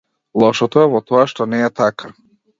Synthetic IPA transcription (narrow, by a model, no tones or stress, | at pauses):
lˠɔʃɔt̪ɔɛvɔt̪ɔaʃt̪ɔnɛːt̪aka